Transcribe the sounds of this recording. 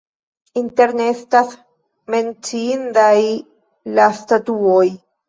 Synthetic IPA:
int̪eɾnest̪as | ment͡ʃind̪aj | last̪at̪uoj

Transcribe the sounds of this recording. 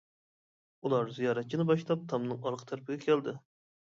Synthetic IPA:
ulˠɑɾzijɑːɾɛt̪̚t͡ʃʰinɪbɑʃlˠɑp̚t̪ʰɑmnɨŋɑɾqʰə̥t̪ʰæɾpʰɪɡʲɛkʲʰæld̪ɪ

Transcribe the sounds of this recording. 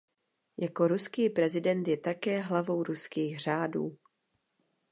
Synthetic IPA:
jako̞ɾuskiːpɾɛzɪdɛnt̪jɛt̪akɛːɦlavo̞wɾuskiːxr̝aːdṵː

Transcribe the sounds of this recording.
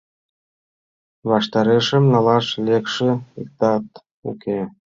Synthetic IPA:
βɑʃt̪ɑɾeʃə̆mnɑlɑʃlekʃĕik̚t̪ɑt̪ | ṵkʰe

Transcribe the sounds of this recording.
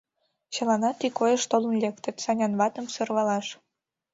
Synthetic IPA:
t͡ɕɤ̆lɑnɑt̪ikojə̆ʃt̪olə̆nlʲekt̪ə̆t̪sɑnʲɑnβɑt̪ə̆msɤ̆rβɑlɑʃ

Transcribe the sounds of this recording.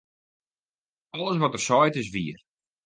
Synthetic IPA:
ɔlˠəsʋɔtərsɔjtɪs̬ʋiər

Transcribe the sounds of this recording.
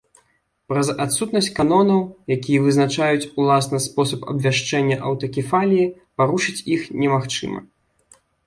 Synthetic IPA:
pɾɐzat̪sut̪nɐsʲt͡sʲkanɔnɐwjakʲijɐvɨznat͡ʂajut͡sʲulˠasnɐspɔsɐpɐ̰bvʲaʂt͡ʂɛnʲːɐʔɐwt̪ɐkʲifalʲiji | paɾuʂɨt͡sʲixnʲɛmaxt͡ʂɨ̰mɐ̰

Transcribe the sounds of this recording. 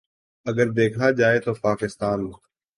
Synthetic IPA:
əɠəɾd̪eːkʰnaːd͡ʒaːet̪oːpaːkɪst̪aːnm

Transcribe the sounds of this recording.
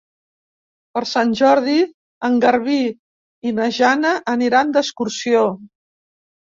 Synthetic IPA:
pəɾsanʲʒɔɾð̞i | əŋɡəɾβiː | nəʒanəʔːniɾand̪əskuɾsio

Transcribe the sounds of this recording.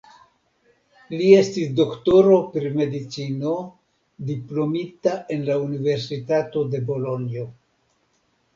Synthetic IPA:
lie̞stisdo̞kto̞ɾo̞pɾime̞dit͡sino̞ | diplo̞mitaʔe̞nlaunive̞ɾsitato̞de̞bo̞lo̞nio̞

